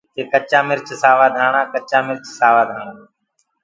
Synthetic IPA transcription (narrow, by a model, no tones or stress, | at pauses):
t̪eːkət͡ʃãːmɪɾt͡ʃsaːʋaːd̪ʱaːɳãːkət͡ʃaːmɪɾt͡ʃsaːʋaːd̪ʱaːɳaː